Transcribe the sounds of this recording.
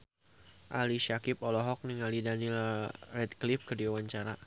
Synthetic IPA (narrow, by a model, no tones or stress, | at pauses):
ʔa̰liʃakɪpɔlɔɦɔk̚niŋalidanilrɛd̪̚klifkədiawaɲt͡ʃaɾa